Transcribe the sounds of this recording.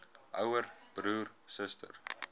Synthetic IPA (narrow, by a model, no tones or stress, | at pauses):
ʔœwərb̥ruːrsəstə̰r